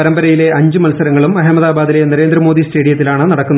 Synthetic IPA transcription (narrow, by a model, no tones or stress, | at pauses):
ɐɾɐmbɐɾɐjile̞ʔɐɲd͡ʑɨmɐlsɐɾɐŋːɐɭumɐɦɐmɐðaːbaːd̪ile̞nɐɾe̞ːnd̪rɐmo̞ːd̪isʈe̞ːɽijɐt̪ːilaːɳɨnɐɽɐkkːunːɐ